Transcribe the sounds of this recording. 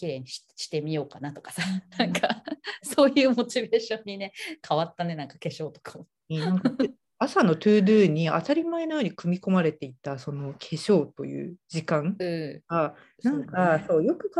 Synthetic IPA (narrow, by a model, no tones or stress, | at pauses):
kʲiɾẽɲɕɕi̥t̪e̞mʲijo̞ːkanat̪o̞kḁsanãŋkaso̞ːjɯ̟ːmo̞t͡ɕibe̞ːɕõ̞ɲ̟ːine̞kʰaβat̪ːane̞nãŋkake̞ɕo̞ːt̪o̞̥ka | ãŋk | asano̞t̪ɯːd̪ɯ̟ːɲ̟ia̰t̪aɾʲimaeno̞joːɲ̟ikɯ̟mʲiko̞maɾe̞t̪e̞it̪ːaso̞no̞kʰe̞ɕo̞ːt̪o̞̰jɯ̟̰ːd͡ʑikãŋɯ̟ːɡa | nãŋkaso̞ːjo̞kɯ̟k